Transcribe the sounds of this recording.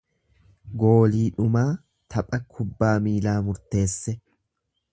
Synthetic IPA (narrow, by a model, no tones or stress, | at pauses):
ɡo̞ːliːᶑʊmaː | t̪ʰɐpʼɐkʰʊbːaːmiːlaːmʊɾt̪e̞ːsːɛ